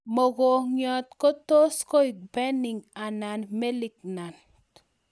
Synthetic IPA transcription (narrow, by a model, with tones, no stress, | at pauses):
mo˨ɡo˨ɲɔ˧t̪ko˦t̪o˦sko˦jk̚be˦ni˨ŋa˨na˨nme˦li˨kna˨n